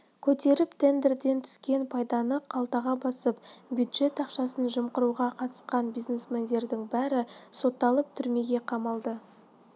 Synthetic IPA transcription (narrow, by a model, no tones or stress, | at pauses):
kʲʰɵt̪e̞ɾɪpt̪ʰe̞nd̪eɾd̪e̞nt̪ʰʏ̥skʲe̞npʰɑjd̪ɑnəqʰɑlˠt̪ɑʁɑbɑsəp̚bjud̪ʒ̥e̞t̪ɑqʃɑsənʒəmqəɾuʁɑqʰɑt̪ə̥sqɑnbijznesmend̪e̞ɾd̪ɪŋbæɾɪso̞t̪ːɑlˠəp̚t̪ʰʏɾme̞ɡʲe̞qʰɑmɑlˠd̪ə